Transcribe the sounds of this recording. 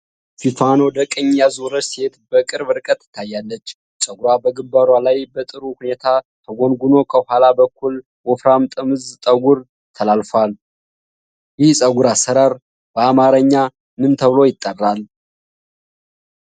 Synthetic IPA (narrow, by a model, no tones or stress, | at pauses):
fifanwɔd̪əkʼəɲːjazuɾət͡ʃse̞t̪bəkʼɨɾbɨɾkʼət̪ːɪ̥t̪ʰːajːalːət͡ʃː | sʼəɡuɾabəɡɨmbaɾwalajbət̪ʼɨɾuhune̞t̪ʰat̪ʰəɡo̞nɡuno̞kʰəhuhalabəkʰːul | wɔfɾamt̪ʼɨmɨzt̪ʼəɡuɾ | t̪ʰəlalfal | jɪhsʼəɡuɾasəɾaɾ | b̥əamaɾəɲːa | mɨnt̪ʰəβlo̞jɪt̪ʼːərːal